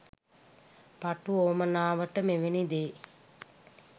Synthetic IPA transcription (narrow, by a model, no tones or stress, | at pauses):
paʈuoːmənaːʋəʈəmeʋenid̪eː